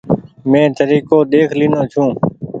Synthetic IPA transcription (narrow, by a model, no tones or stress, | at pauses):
mẽːt̪əɾiːkoːɗ̪eːkʰliːnõːt͡ʃʰũː